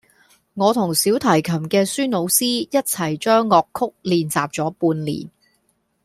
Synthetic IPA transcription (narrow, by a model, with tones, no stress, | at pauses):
ŋɔː˨˧t̪ʰʊ˨˩ŋsiː˨˥wt̪ʰɐ˨˩jkʰɐ˨˩mkɛː˧syː˥no˨˧wsiː˥jɐ˥t̚t͡sʰɐ˨˩jt͡ʃœː˥ŋːɔː˧kʰʊ˥k̚liː˨nt͡saː˨p̚t͡sɔː˨˥puː˧nlḭː˨˩n